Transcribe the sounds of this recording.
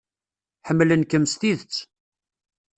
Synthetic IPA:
ħəmːlənkəmst̪iðət͡sː

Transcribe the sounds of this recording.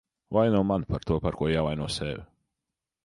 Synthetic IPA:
vajnuɔmanpaɾt̪uɔpaɾkuɔjaːvajnuɔsɛv

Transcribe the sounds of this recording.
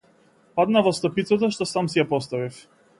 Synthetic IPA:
pad̪navɔst̪ɔpit̪sat̪ɔʃt̪ɔsamsijapɔst̪avif

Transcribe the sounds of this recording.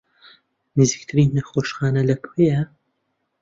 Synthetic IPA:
nɨzɨk̚t̪ʰɨɾinːɐxoːʃxaːnɐlɐpʰejɐ

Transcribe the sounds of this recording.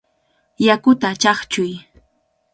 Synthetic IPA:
jakʊt̪at͡ʃɑχt͡ʃʊj

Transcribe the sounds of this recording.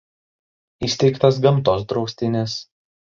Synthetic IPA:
isʲt̪ʲɛɪkt̪ɐs̬ɡɐmt̪oːsd̪ɾɒʊsʲt̪ʲɪnʲɪs

